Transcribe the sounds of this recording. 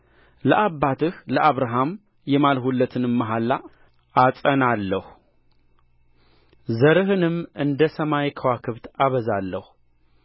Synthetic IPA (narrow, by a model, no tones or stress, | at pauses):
ləʔabːat̪ʰɨhləʔaβɾaɦam | jɛmalhulːət̪ʰɨnɨmːəɦalːa | ʔasʼənalːəh | zəɾɨɦɨnɨmʔɨnd̪əsəmajkʰəwakʰɨβt̪aβəzalːəhu